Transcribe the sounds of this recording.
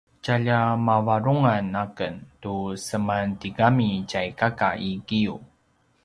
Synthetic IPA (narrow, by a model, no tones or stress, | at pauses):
caʎamavaɾuŋanakəntusəmantiɡamicajkakaiɡiu